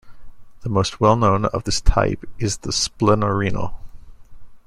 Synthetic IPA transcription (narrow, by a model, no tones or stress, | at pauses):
ðəmoʊst̚wɛlˠnõʊ̃nʌ̰vðɪstʰa̰ɪpɪzðəsplɪ̃nə˞ĩnə̰l̩ˠ